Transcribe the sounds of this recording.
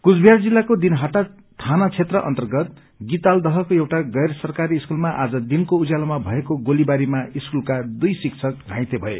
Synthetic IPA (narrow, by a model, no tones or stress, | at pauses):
kud͡zbʱijard͡zilːakod̪inɦʌʈa | t̪ʰanat͡sʰet̪rʌʔʌ̰nt̪ʌrɡʌt̪̚ | ɡit̪ald̪ʌɦʌkoewʈaɡʌjrʌsʌrkaɾiːskulmaʔad͡zʌd̪inkoud͡zalamabʱʌekoɡolibaɾimaiskulkad̪ujsikt͡sʰʌk̚ɡʱãj̃t̪ebʱʌḛ